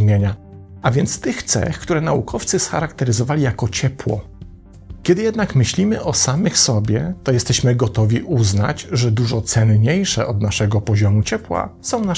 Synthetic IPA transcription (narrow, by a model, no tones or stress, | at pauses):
mʲjeɲa | avʲjɛnt̪st̪ɘxt̪sɛ̰xkt̪uɾɛnaukʰɔft̪sɘsxaɾakt̪ɛɾɘzɔvalʲijakɔt͡ɕɛpwɔ̰ | kʲɛd̪ɘjɛd̪nakmɘɕlʲimɘʔɔsamɘxsɔbʲjɛt̪ɔjɛst̪ɛɕmɘɡɔt̪ɔvʲiʔuzna̰d͡ʑʐɛd̪uʐɔt̪sɛnɲejʂɛ̰ʔɔd̪naʂɛɡɔpɔʑɔmut͡ɕɛpwa̰sɔ̃w̃na